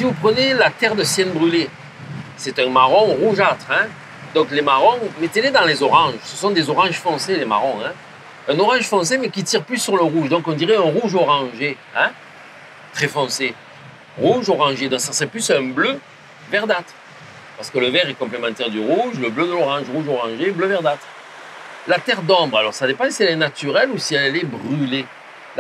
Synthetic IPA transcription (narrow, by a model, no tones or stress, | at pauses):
sivupχənelat̪ɛʁd̪əsjɛnbʁyle | sɛt̪ɛ̃maʁɔ̃ʁuʒat̪χɛ̃ | d̪ɔ̃klemaʁɔ̃met̪ened̪ɑ̃lezɔʁɑ̃ʒsəsɔ̃d̪ezɔʁɑ̃ʒfɔ̃selema̰ʁɔ̃ɛ̃ | ɛ̃nɔʁɑ̃ʒfɔ̃semɛkʲit̪iʁplysːyʁləʁuʒd̪ɔ̃kɔ̃d̪iʁɛɛ̃ʁuʒɔʁɑ̃ʒe | ɛ̃ | t̪χɛfɔ̃se | ʁuʒoʁɑ̃ʒed̪ɔ̃ksasəʁɛplysɛ̃blø | vɛʁd̪at̪χ | paʁsə̥kələvɛʁɛkɔ̃plemɑ̃t̪ɛʁd̪yʁuʒləblød̪əlɔʁɑ̃ʒʁuʒɔʁɑ̃ʒebløvɛʁd̪at̪χ | lat̪ɛʁd̪ɔ̃bʁalɔʁsad̪epɑ̃siɛlɛnat̪yʁɛlusiɛlɛbʁyle